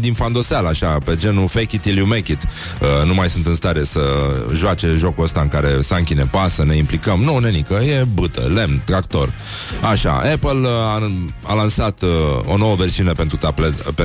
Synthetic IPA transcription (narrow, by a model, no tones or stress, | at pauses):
d̪infand̪o̞sealaʃape̞d͡ʒe̞nufekʲit̪iljumekʲit̪ | ənumajsunt̪ɨnst̪aɾe̞səʒoat͡ʃe̞ʒo̞kuəst̪aɨŋkaɾe̞saŋkʲine̞pasəne̞implikəmnonenikəje̞bɨt̪ə̰le̞mt̪ɾakt̪o̞r | aʃa̰epəlaalansat̪o̞̰no̞wəve̞rsiune̞pe̞nt̪ɾut̪aplet̪p